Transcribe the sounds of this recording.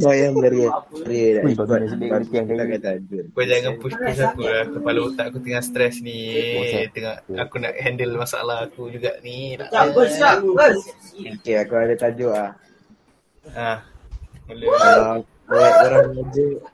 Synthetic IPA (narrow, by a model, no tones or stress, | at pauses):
majaələɾiəɾiədaʔikatak̪akat̪ad͡ʒʊkuad͡ʒaŋanpuspus̬akulakupalot̪aʔkut̪əŋast̪ɾɛsni | t̪əŋaakuna̰ʔhɛndəlmasaa̰lahakud͡ʒuɡaʔnina̰ʔaəa | okeakuadat̪ad͡ʒoʔlah | ahməlu | ajaoɾaŋlad͡ʒoʔ